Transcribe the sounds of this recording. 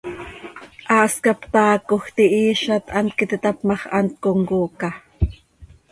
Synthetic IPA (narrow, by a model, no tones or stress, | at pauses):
ʔɑːskɑpt̪ɑːkoxt̪iʔiːʃɑt̪ʔɑnt̪̚kit̪it̪ɑpmɑχʔɑ̰nt̪̚koŋkuːkɑ